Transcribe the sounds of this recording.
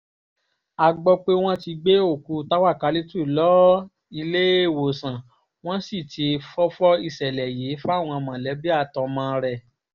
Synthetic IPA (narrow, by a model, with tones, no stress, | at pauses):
a˧ɡ͡bɔ˧k͡pe˦w̃ɔ̃˦ti˧ɡ͡be˦o˦˨ku˧˦˧ta˦wa˦˨ka˧li˦tu˦i˨lɔ˨˦ | i˧le˦e˦˨wo˨sã˨ | w̃ɔ̃˦si˦˨ti˨˧fɔ˦fɔ˦i˧˨sɛ˨lɛ˨je˨˦fa˦˨w̃ɔ̃˧mã˨lɛ˨˦bi˦a˦˨tɔ˧mã˧˦˧ɾɛ˧˨